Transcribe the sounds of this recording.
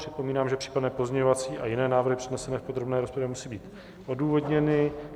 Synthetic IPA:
r̥ɪt̪̚po̞miːnaːmʒɛpr̥iːkladnɛːpo̞zɲɛɲovat͡siːʔajɪnɛːnaːvɾr̩ɦɪpr̥ɪdnɛsɛnɛːfpo̞d̪ɾo̞bnɛːɾospovjɛmusiːbiːt̪ | ʔo̞duːvo̞dɲɛnɪ

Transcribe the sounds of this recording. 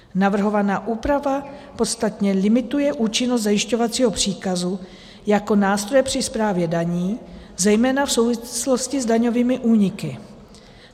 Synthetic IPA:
navr̩ɦo̞vanaːʔuːpɾavapo̞t̪st̪at̪ɲɛlɪmɪt̪ujɛʔuːt͡ʃɪnos̬t̪zajɪʃco̞vat͡siːɦo̞pr̝̥iːkazu | jako̞naːst̪ɾo̞jɛpr̝̥ɪspɾaːvjɛdaɲiː | zɛjmɛːnafso̞wvɪslo̞scɪzdaɲo̞viːmɪʔuːɲɪkɪ

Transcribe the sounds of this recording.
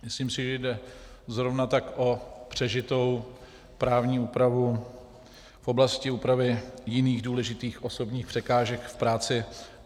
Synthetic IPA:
mɪsliːmsɪʒɛjdɛ | zɾo̞vnat̪akʔo̞pr̝̥ɛʒɪt̪o̞w | pɾaːvɲiːuːpɾavu | fʔo̞blascɪuːpɾavɪjɪniːɣduːlɛʒɪt̪iːxʔoso̞bɲiːxpr̝̥ɛkaːʒɛkfpɾaːt͡sɪ

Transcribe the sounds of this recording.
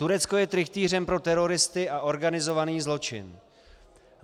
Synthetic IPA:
t̪uɾɛt͡sko̞jɛt̪ɾɪxt̪iːr̝ɛmpɾo̞t̪ɛɾo̞ɾɪst̪ɪʔaʔo̞ɾɡanɪzo̞vaniːzlo̞t͡ʃɪ̰n

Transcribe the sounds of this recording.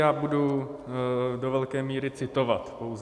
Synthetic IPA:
jaːbudu | dovɛlkɛːmiːɾɪt͡sɪt̪o̞vat̪po̞wz

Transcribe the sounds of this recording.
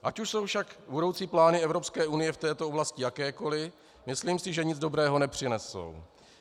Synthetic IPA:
ʔacuʃso̞wfʃakbudo̞wt͡siːplaːnɪɛvɾo̞pskɛːunɪjɛft̪ɛːt̪ooblascɪjakɛːko̞lɪ | mɪsliːmsɪʒɛɲɪd͡zdo̞bɾɛːɦo̞nɛpr̝̥ɪnɛso̰w

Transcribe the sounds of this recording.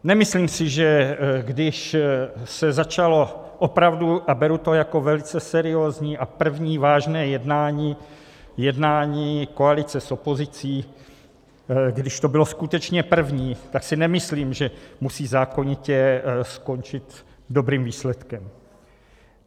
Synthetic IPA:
nɛmɪsliːmsɪʒɛɡdɪʃ | sɛzat͡ʃalo̞ | ʔopɾavduʔabɛɾut̪o̞jako̞vɛlɪt͡sɛsɛɾɪoːzɲiːʔapr̩vɲiːvaːʒnɛːjɛdnaːɲiː | jɛdnaːɲiːkoalɪt͡sɛso̞po̞zɪt͡siː | ɡdɪʃt̪o̞bɪlo̞skut̪ɛt͡ʃɲɛpr̩vɲiːt̪aksɪnɛmɪsliːmʒɛmusiːzaːko̞ɲɪcɛsko̞nt͡ʃɪt̪ | do̞bɾiːmviːslɛt̪kɛm

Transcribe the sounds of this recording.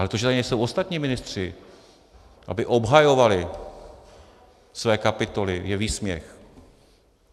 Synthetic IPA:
alɛt̪oʒɛt̪aɪɲɛjso̞wʔo̞st̪at̪ɲiːmɪnɪst̪r̝̥ɪ | ʔa̰bɪʔo̞bɦajo̞valɪ | svɛːkapɪt̪o̞lɪjɛviːsmɲɛ̰x

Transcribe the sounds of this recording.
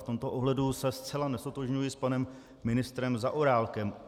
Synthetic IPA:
ft̪omt̪oʔoɦlɛdusɛst͡sɛlanɛst̪ot̪oʒɲujɪspanɛmː | ɪnɪst̪ɾɛmzaʔoɾaːlkɛm

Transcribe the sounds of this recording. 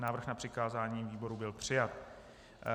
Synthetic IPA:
naːvr̩xnapr̝̥ɪkaːzaːɲiːviːbo̞ɾubɪlpr̝̥ɪjat̪̚

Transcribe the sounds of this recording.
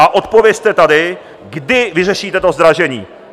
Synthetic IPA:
aʔo̞t̪po̞vjɛst̪ɛt̪adɪ | ɡdɪvɪrɛʃiːt̪ɛt̪o̞zd̪ɾaʒɛɲiː

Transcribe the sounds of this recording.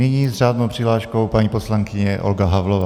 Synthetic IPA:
nɪɲiːzraːd̪nowpr̥ɪɦlaːʃkowpaɲiːposlaŋkɪɲɛʔolɡaɦavlovaː

